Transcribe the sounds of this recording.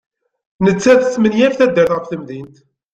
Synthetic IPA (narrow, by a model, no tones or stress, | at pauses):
nət͡sːæθəsːmənjæfθæd̪ːəɾθʁəfθəmðint̪